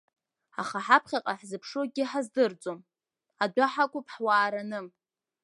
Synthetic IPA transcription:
a̰χaħapʰχʲaqʼaħzɨpʰʂoɡʲɪħazdɨrd͡zʼom | adʷaħakʷʼʊpʰʼħwaːɾanɨm

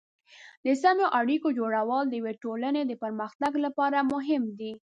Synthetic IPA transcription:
d̪əsamjoʔaɽikod͡ʒoɽawəld̪əjweʈolaned̪əpəɾməxt̪aɡlapɑɾamʊɦɪmd̪i

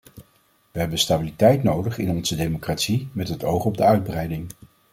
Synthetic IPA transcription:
ʋəɦɛbənstabilitɛjtnowdəχɪnɔnzədejmokratsimɛtɦətowχɔb̚dəœɥd̚brɛjdɪŋ

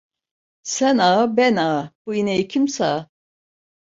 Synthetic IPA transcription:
sɛnabɛnab̥uinɛikʰimsa

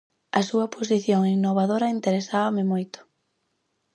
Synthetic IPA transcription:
ɐsuɐpʰos̬iθjoŋinːoβ̞aðoɾɐint̪eɾesaβamɪmojt̪ʊ̥

